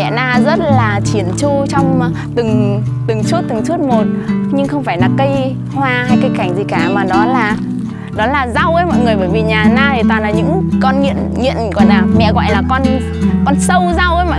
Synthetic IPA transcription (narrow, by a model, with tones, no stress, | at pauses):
ɛ̰˧˨naː˧˩zə˦˥t̚laː˨˩t͡ɕi˧˩ənt͡ɕu˧t͡ɕɔ˧wŋ͡m | t̪ɨ˨˩ŋ | t̪ɨ˨˩ŋsu˦˥ət̚t̪ɨ˨˩ŋsu˦˥ət̚mo˨˩t̚ɲɨ˧ŋxə˧wŋ͡mfaː˧˩jlaː˨˩kə˧j | hwaː˧ha˧jkaə˧jka˧˩jŋ̟zi˨˩kaː˨˩maː˨˩nɔ˨˦laː˨˩ | nɔ˨˦laː˨˩za˧wʔəː˨˦jmɔ̰˧˨jŋɨ˨˩əjɓəː˧˩jvi˨˩ɲaː˨˩naː˧t̪ʰi˨˩t̪waː˨˩nlaː˨˩ɲɨ̰˧˥ŋkɔ˧nŋḭ˧˨ənŋḭ˧˨ənɣɔ̰˧˨jlaː˨˩mɛ̰˧˨ɣɔ̰˧˨jlaː˨˩kɔ˧n | kɔ˧nsə˧wza˧wʔə˨˦jmɔ̰˧˨